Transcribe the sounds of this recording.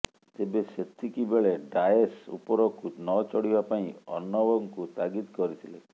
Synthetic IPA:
t̪ebeset̪ʰikibeɭeɖaesṵpɔɾɔkunɔt͡ʃɔɽibapaĩɔ̰nːɔbɔŋkut̪aɡit̪kɔɾit̪ʰile

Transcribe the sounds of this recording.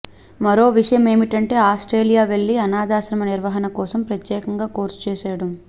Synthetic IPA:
mɐɾo̞ːʋiʂɐjɐme̞ːmiʈɐɳʈe̞ːaːsʈɾe̞ːlijaːʋe̞ɭːiɐnaːd̪aːʃɾɐmɐniɾʋɐɦɐnɐkɔːsɐmpɾɐt̪jɛːkɐŋɡaːko̞ːɾsu̥t͡ʃɛːsaːɽɐm

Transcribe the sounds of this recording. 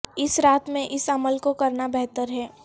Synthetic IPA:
ɪsɾaːt̪mẽʔɪsɐməlkokɐɾnabɛɦt̪əɾɦɛː

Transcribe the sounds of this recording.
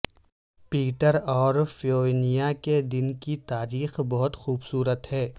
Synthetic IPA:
piːʈəɾɔːɾfoːnijaked̪ɪnkit̪aːɾiːxbɔɦʊt̪xuːbsuːɾət̪hɛː

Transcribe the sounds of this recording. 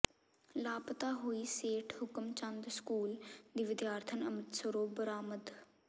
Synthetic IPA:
laːpt̪aːɦoːiːseːʈʰhʊkəmt͡ʃə̃nd̪skuːld̪iːʋɪd̪jaːɾt̪ʰənəmət̪səɾoːbəɾaːməd̪

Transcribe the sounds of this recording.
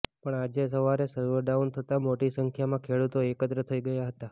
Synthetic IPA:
pəɳad͡ʒesəʋaɾesəɾʋəɖaunt̪ʰət̪amoʈisəŋkʰjamãkʰeɽut̪oekət̪ɾət̪ʰəiɡəjaɦət̪a

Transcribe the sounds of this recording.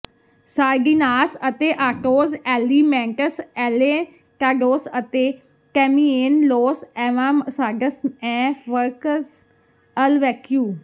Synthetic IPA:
saːɾɡiːnaːsət̪eːʔaːʈoːzɛːliːmɛ̃ːɳʈəsɛːleː | ʈaːɖoːsət̪eː | kɛːmiːeːnloːsɛʋaːsaːɡəsɛːʋəɾkəs | əlʋɛːkjuː

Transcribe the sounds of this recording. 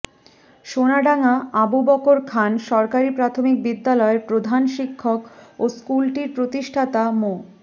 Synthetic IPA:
ʃonaɖaŋaabubɔkoɾkʰanʃɔɾkaɾipɾat̪ʰomik̚bid̪ːalɔeɾpɾod̪ʱanʃikʰːokoskulʈiɾpɾot̪iʃʈʰat̪amo

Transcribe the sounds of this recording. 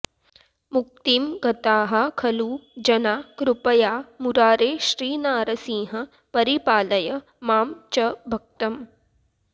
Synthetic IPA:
muk̚t̪imɡɐt̪aːɦɐ̆kʰɐluːd͡ʒɐnaːkɾupɐjaːmuɾaːɾeːʃɾiːnaːɾɐsĩːɦɐ | pɐɾipaːlɐjɐ | maːmt͡ʃɐbʱɐk̚t̪ɐm

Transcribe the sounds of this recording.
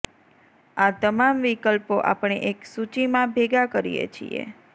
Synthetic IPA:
at̪əmamʋikəlpoʔa̰pɳ̃eʔeksut͡ʃimãbʱeɡakəɾḭjḛt͡ʃʰḭḛ

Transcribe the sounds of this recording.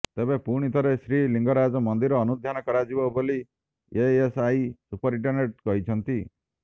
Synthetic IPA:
t̪ebepuɽ̃it̪ʰɔɾesɾiliŋɡɔɾad͡ʒɔmɔnd̪iɾɔːnud̪ʱjanɔkɔɾad͡ʒibɔboli | eesajsupɔɾiɳʈɔɾneʈ̚kɔɦit͡ʃʰɔnt̪i

